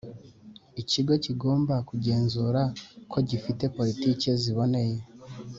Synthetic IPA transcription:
iciɡo̞ciɡo̞ːmbakuɟe̞ːnzuːɾakʰo̞ɟifite̞po̞ɾitiːce̞ziβo̞ne̞je

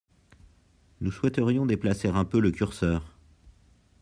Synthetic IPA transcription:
nuswɛt̪əʁjɔ̃d̪eplaseʁɛ̃pøləkʲyʁsœːʁ

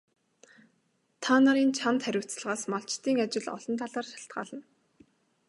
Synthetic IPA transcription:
t̪ʰanaɾiːnt͡ɕʰant̪χæɾʲʊ̆w̥ʰt͡s̆ɮʁaːsmɔɬt͡ɕt̪iːŋat͡ɕɪ̆ɮɔ̰ɮɞ̆nt̪ʰaɮaːrʃḁɬt̪ɢa̰ːɮə̆n

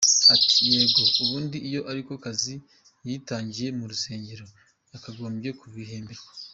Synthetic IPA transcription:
ati̥jeːɡo̞uβuːndiːjo̞ʔaɾiko̞kazi | jiːtaːɲɟije̞muɾuse̞ːɲɟe̞ɾo̞ | jakaɡo̞ːmbje̞kuβwiheːmbeɾwa

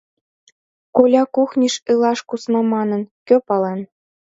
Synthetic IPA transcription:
kolʲɑkuxnʲiʃɯlˠɑʃkusnɑmɑnɤ̆nkʲøpɑlen

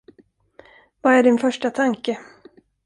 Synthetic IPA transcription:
vaæɖɪnfœʂʈat̪ʰaŋkə

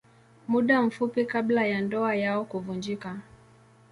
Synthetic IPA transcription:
muɗam̩fupikablajandɔajaɔkuvund͡ʒika

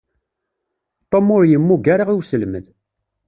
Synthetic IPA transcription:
t̪ˤomʊɾjəmːuɡaɾaʁiwsəlmə̰ð

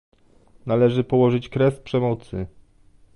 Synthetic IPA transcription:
nalɛʐɘpɔwɔʐɘt͡ɕkɾɛspʂɛmɔt̪sɘ

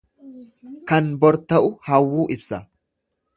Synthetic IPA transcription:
kɐnbɔɾt̪ɐʔʊhɐwːuːʔɪbsɐ

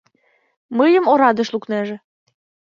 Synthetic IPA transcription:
məjəmoɾɑd̪ə̆ʃlukneʒĕ

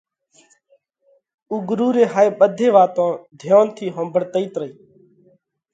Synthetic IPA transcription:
uːɡɾuːɾeːɦaːeːɓəd̪ʱeːʋaːt̪õːd̪ʱjoːnt̪ʰiːɦə̃mbʱəɽt̪əiːt̪ɾəiː

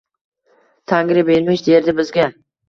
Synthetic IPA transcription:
t̪ʰaŋɡʲɾɪbenmɪt͡ʃd̪eɾd̪ɪbɪzɡʲa

